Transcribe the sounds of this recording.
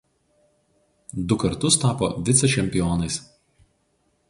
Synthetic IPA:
d̪ʊkɐɾt̪ʊst̪ɑːpo̰ːʋʲɪt̪sʲɛt͡ʃʲɛmʲpʲɪjoːnɐɪs

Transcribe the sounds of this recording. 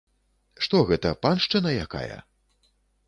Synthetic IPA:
ʂt̪ɔɣɛt̪ɐpanʂt͡ʂɨnɐjaka̰jɐ̰

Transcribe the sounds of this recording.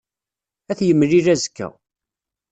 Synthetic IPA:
æθjəmːliɾæzkːæ̰

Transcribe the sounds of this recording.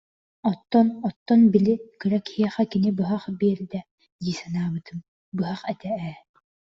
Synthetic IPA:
ɔt̪ːɔnɔt̪ːɔnbilikɯɾakhiɛχɛkinibɯɦaχbiɛɾd̪ɛ | d̪iːsanaːbɯt̪ɯm | bɯɦaχɛt̪ɛɛ

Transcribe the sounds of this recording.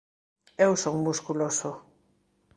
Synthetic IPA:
ewsoŋmuskuloso

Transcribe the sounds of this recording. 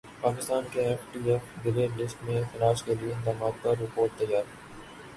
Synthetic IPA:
paːkɪst̪aːnkeɛfʈiːɛfbɪleːlɪsʈmẽxɐɾaːʃkelieɪd̪aːmaːt̪̚kaɾːɪpoːɾʈ̚t̪ɐjːaːɾ

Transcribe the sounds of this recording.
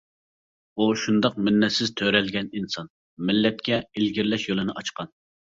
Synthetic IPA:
uʃund̪ɑq̚mɪnːɛt̪sɪzt̪ʰøɾɛlɡʲɛninsɑn | mɪlːɛt̪̚kʲɛɪlɡʲiɾlɛʃjolˠɨnɨʔɑt͡ʃqɑn

